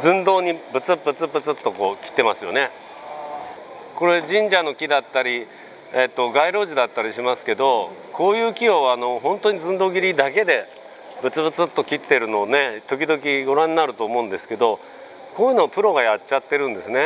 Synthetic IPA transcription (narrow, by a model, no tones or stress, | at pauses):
zɨ̃nd̪o̞ːɲ̟ibɯ̟t͡sɨpːɯt͡sɨbɯt͡sɨt̪ːo̞ko̞ːkʲi̥t̪ːe̞masɨjo̞̰ne | ko̞ɾe̞ʑĩɲ̟d͡ʑano̞kʲid̪at̪ːaɾʲi | et̪ːo̞ɡaiɾo̞ːʑid̪at̪ːaɾʲiɕimasɨ̥ke̞d̪o̞ko̞ːjɯːkʲio̞ano̞ɦõ̞nt̪o̞ɲ̟izɨ̃nd̪o̞ːɡʲiɾʲid̪ake̞d̪e̞ | bɯ̟t͡sɨbɯ̟t͡sɨt̪ːo̞kʲit̪ːe̞ɾɯ̟no̞ne̞t̪o̞kʲid̪o̞kʲiɡo̞ɾãɲinaɾɯ̟t̪o̞ːmo̞ɯ̃nd̪e̞sɨ̥ke̞d̪o̞ | koːjɯ̟ːnopɯ̟ɾo̞ɡajat͡ɕːɕat̪ːe̞ɾɯ̟̃nd̪e̞sɨne̞